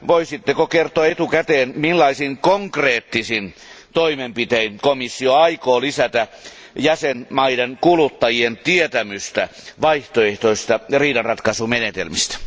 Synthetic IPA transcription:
ʋoisit̪ːekokert̪oɑet̪ukæt̪eːnmilːɑisiŋkoŋkreːt̪ːisin | t̪oimempit̪einkomisːioɑikoːlisæt̪æ | jæsenmɑidenkulut̪ːɑjient̪iet̪æmyst̪æʋɑiht̪oeht̪oist̪ɑriːdɑnrɑt̪kɑsumenet̪ḛlmist̪æ̥

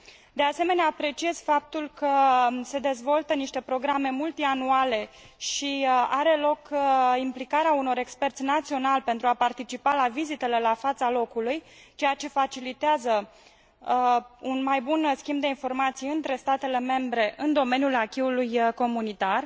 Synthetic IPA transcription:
d̪e̞ase̞me̞neaːpɾe̞t͡ʃie̞z̥fap̚t̪ulkəse̞d̪e̞zvo̞lt̪əniʃt̪e̞pɾo̞ɡɾame̞mult̪ianuale̞ | ʃiaɾe̞lo̞kimplikaɾeauno̞ɾe̞kspe̞rt̪sʲnat̪sio̞nalpe̞nt̪ɾuapart̪it͡ʃipalavizit̪e̞le̞lafat̪salo̞kuluj | t͡ʃe̞jat͡ʃe̞fat͡ʃilit̪eazə | unmajbunskʲimbd̪e̞info̞rmat̪sijɨnt̪ɾe̞st̪at̪e̞le̞me̞mbɾe̞ʔɨnd̪o̞me̞njulakʲiulujko̞munit̪ar

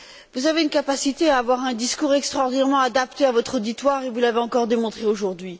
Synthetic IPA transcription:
vuzaveynkapasit̪eaːvwaʁɛ̃d̪iskuʁɛkst̪χɔʁd̪inɛʁmɑ̃ad̪ap̚t̪eavɔt̪χod̪it̪waʁevulaveɑ̃kɔʁd̪emɔ̃t̪χeoʒuʁd̪ɥi

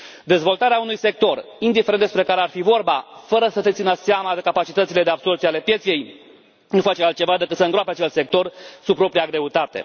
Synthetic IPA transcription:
d̪e̞zvo̞lt̪aɾeaunujse̞k̚t̪o̞rind̪ifeɾenespɾe̞kaɾearfivo̞rbafəɾəsət̪et̪sinəseamad̪e̞kapat͡ʃit̪ətsile̞d̪e̞abso̞rsiale̞pje̞t̪sije̞j | nufat͡ʃealt̪̚t͡ʃe̞vad̪e̞kɨt̪səɨŋɡɾoapeat͡ʃelt̪se̞k̚t̪o̞rsub̚pːɾo̞pɾijaɡɾe̞ut̪at̪e̞̰

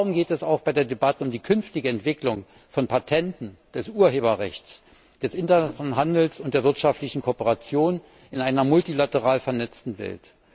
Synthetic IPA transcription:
ʁʊmɡeːtɛsaʊxb̥aɪdeːɐdebatəʊmdiːkʰʏnftɪɡəɛntv̥ɪklʊŋ | fɔnpʰatʰɛntn̩d̥ɛsʔuːɐɦeːbɐʁɛ̰çtt͡s | d̥ɛsʔɪntɐnsnɦandl̩sʊntd̥eːɐvɪɐtʃaftlɪçn̩kʰoːpəʁat͡sjoːn | ɪnaɪnɐmʊltilatəʁaːlfɛɐnɛt͡stn̩vɛ̰lt

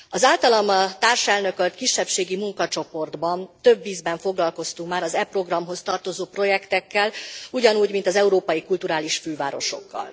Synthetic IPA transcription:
ɒzaːlt̪ɒlɒmɒt̪aːrʃɛlnø̞kølt̪kiʃːɛpʃeːɡimuŋkɒt͡ʃo̞po̞rd̪bɒnt̪ø̞bːiːzbɛɱfo̞ɡlɒlko̞st̪uŋkmaːɾɒzɛpro̞ɡrɒmɦo̞st̪ɒrt̪o̞zoːpro̞jɛkt̪ɛkːɛluɟɒnuːɟmint̪ɒzɛuɾoːpɒjikult̪uɾaːliʃføːva̰ːɾo̞̰ʃo̞̰kːɒ̰l

